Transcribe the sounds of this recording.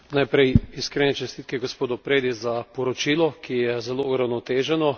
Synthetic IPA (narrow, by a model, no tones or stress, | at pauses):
najpɾɛjiskɾeːnɛt͡ʃɛst̪it̪̚kɛɡospoːd̪ɔpɾeːd̪izapɔɾɔt͡ʃilɔkʰijɛzɛlouɾawnɔt̪eːʒɛnɔ